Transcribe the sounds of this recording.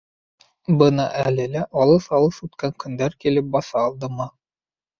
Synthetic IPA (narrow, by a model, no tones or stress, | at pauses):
bɤnɑʔælɘlæʔɑlˠɤsɑlˠɤθʉt̪kæŋkɵ̆nd̪æɾkilɘp̚bɑsɑːlˠd̪ɤmɤ